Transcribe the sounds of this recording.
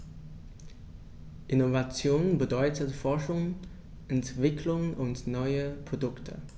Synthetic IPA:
ʔɪnovat͡sjoːnənbədɔʏtəfɔɐʃʊŋ | ʔɛntv̥ɪkʰlʊŋnʔʊntnɔʏəpʁ̥odʊktʰə̰

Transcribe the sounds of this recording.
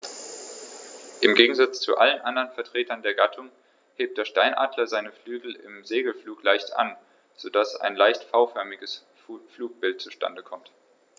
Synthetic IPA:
ʔɪmɡeːɡŋ̩zat͡st͡sṵʔalənʔandɐʁənfɛɐtʁ̥eːtʰɐndeːɐɡatʰʊŋ | heːp̚td̥eːɐʃtaɪnʔa̰ːdlɐzaɪnəflyːɡl̩ɪ̰mzeːɡl̩fluːklaɪçtʔa̰n | z̥odasa̰ɪnlaɪçtfaʊfœɐmɪɡəs | fluːk̚b̥ɪlt̚t͡suʃtʰa̰ndəkʰɔmt

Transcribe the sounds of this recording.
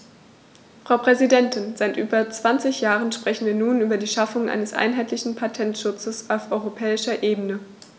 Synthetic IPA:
fʁ̥aʊpʁ̥ɛzidɛntʰɪnzaɪtʔyːbɐt͡sv̥ant͡sɪçjaːʁənʃpʁ̥ɛçn̩viːɐnuːnyːbɐdiːʃafʊŋʔa̰ɪnəsʔa̰ɪnɦaɪtlɪçn̩pʰatʰɛntʃʊt͡səsaʊfʔɔʏʁopʰɛːɪʃɐʔeːbənə

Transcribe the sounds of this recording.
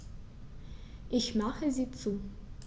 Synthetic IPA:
ʔɪçmaχəziːt͡suː

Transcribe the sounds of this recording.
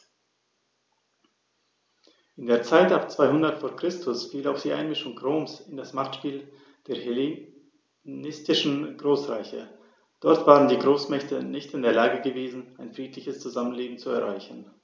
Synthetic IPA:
ʔɪndeːɐt͡saɪtapt͡sv̥aɪhʊndɐtfoːɐkʁ̥ɪstʰʊsfiːlaʊfd̥iːʔa̰ɪnmɪʃʊŋɡʁoːmsɪndasmaχtʃpiːl | d̥eːɐhele | nɪstɪʃn̩ɡʁoːsʁa̰ɪçə | d̥ɔɐtv̥aːʁəndiːɡʁoːsmɛçtənɪçtɪndeːɐlaːɡəɡəveːzn̩aɪnfʁ̥iːtlɪçəst͡suzamənleːbm̩t͡suɛɐʁa̰ɪçn̩

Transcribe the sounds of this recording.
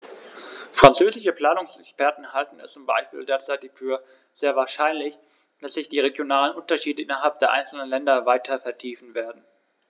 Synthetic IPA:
fʁ̥ant͡søːzɪʃəpl̥aːnʊŋsɛkspɛɐtn̩haltn̩ɛ̰st͡sʊmba̰ɪʃpḭːldeːɐt͡saɪtɪçfyːɐ | z̥eːɐvaːɐʃaɪnlɪç | d̥asz̥ɪçd̥iːʁeɡjonaːlənʔʊntɐʃiːdəʔɪnɐɦalp̚d̥eːɐʔa̰ɪnt͡sl̩nənlɛndɐvaɪtʰɐfɛɐtʰiːfn̩veːɐdn̩

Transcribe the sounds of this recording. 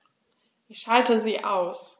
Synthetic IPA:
ʔɪçʃaltəziːʔaʊs

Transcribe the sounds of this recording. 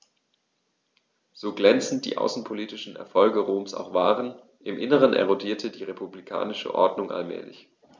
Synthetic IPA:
z̥oːɡlɛnt͡sn̩t̚d̥ḭːʔa̰ʊsn̩pʰoliːtɪʃn̩ɛ̰ɐfɔlɡəʁoːmsa̰ʊxv̥aːʁən | ʔɪmʔɪnəʁ̞ənʔḛʁodiːɐtʰədiːʁepublikʰa̰ːnɪʃə̰ʔɔ̰ɐdnʊŋʔa̰lmɛ̰ːlɪ̰ç

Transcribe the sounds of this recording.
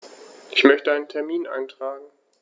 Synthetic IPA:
ʔɪçmœçtəaɪnəntʰɛɐmiːnʔa̰ɪntʁ̥aːɡŋ̩

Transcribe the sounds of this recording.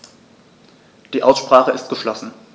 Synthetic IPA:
d̥iːʔaʊsʃpʁ̥aːχəɪstɡ̥əʃlɔsn̩

